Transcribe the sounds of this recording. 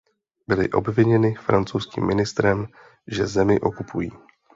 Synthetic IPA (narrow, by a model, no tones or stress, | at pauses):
bɪlɪ̰ʔo̞̰bvɪɲɛnɪfɾant͡sowskḭːmːɪnɪst̪ɾɛm | ʒɛzɛmɪʔo̞kupʰujiː